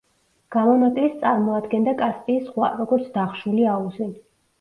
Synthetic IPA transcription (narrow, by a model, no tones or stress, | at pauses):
ɡ̥amɔnat̪ʼlist̪sʼaɾmɔad̪ɡɛnd̪akʼasp̪ʼiːsχwaɾɔɡɔɾt̪sʰd̪aχʃuliauzi